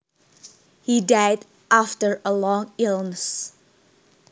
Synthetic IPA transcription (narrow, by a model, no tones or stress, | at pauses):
hidaɪd | ʔaftəɹəlɔ̃ŋɪlnəs